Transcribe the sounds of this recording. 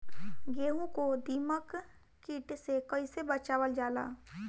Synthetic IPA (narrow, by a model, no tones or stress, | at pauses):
ɡeːɦũkod̪iːməkː | iːʈsekɐisebət͡ʃaːwəld͡ʒaːla̰ː